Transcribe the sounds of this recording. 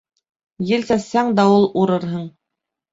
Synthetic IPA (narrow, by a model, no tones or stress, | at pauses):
jɘ̆lsæsːæŋd̪æulˠuɾɤɾɦɤɴ